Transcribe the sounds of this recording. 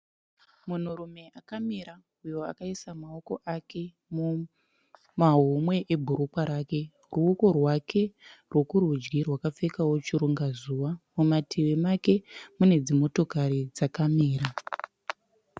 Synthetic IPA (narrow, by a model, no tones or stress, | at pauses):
mun̤urume̞ʔakamiɾa | ujo̞akaisamao̞ko̞ʔake̞ | mu | maɦumwe̞ʔebʱuɾukwaɾaːke̞ | ruuko̞rwakʰe̞rwo̞kurud͡ʒɡirwakap͡fekawo̞t͡ʃiɾuŋɡazuʋamumatʰiwemake̞mune̞d͡zimo̞to̞kaɾid͡zakamiːɾa